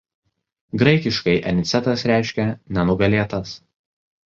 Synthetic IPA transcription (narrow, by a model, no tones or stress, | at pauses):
ɡɾɐɪkʲɪʃkɐɪʔɛnʲɪt̪sʲɛt̪ɐsɾʲæˑɪʃʲkʲɛnʲɛnʊɡɐlʲeːt̪ɐs